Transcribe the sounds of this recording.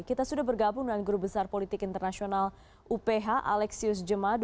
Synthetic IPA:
kit̪asudahbərɡabʊŋdanɡɾup̚bəsarpolit̪ɪkint̪ərnasional | ʔupeɦaʔa̰lɛksiʊs̬d͡ʒəmad

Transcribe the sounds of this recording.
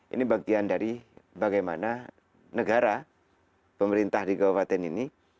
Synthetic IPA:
ʔḭnibaɡiandaɾibaɡajma̰na | nəɡaɾa | pəməɾint̪ahdiɡawapat̪ɛnini

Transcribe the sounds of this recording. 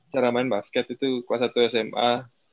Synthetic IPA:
t͡ʃaɾamaɪnbaskɛt̪it̪ukuasat̪uɛsɛma

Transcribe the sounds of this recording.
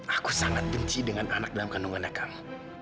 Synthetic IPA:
ʔakusaŋat̪̚bəɲt͡ʃidəŋanʔanak̚dalamkanuŋanakaŋ

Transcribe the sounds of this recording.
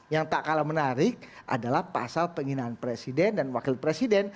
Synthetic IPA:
jaŋt̪aʔkalamənaɾɪk̚ | ʔa̰dalahpa̰salpəŋinaːnpɾesidɛndanwakɪlpɾesidɛn

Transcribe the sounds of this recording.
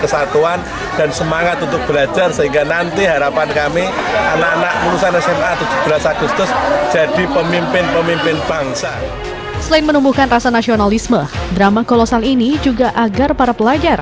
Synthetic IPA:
kəsat̪uan | d̥ansəmaŋat̪unt̪ʊk̚b̥əlad͡ʒarsəɦiŋɡanant̪iɦaɾapankamiananaʔmuɾusanasɛmat̪ud͡ʒʊ̥hb̥əlasakust̪ʊsd͡ʒ̥ad̥ipəmimpɪnpəmimpɪnb̥aŋsa | səlaɪnmənumbuhkanrasanasionalismədɾamakolosalinid͡ʒuɡaʔaɡarpaɾapəlad͡ʒar

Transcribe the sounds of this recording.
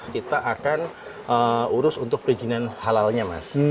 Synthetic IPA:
kit̪aʔakan | əuɾʊsunt̪ʊk̚pəd͡ʒinanhalalɲama̰s

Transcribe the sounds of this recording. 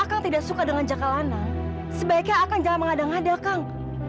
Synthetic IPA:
akaŋt̪idaksukadəŋand͡ʒakalanaŋ | səbaikjaːkaŋd͡ʒaŋanməŋadaŋadakaŋ

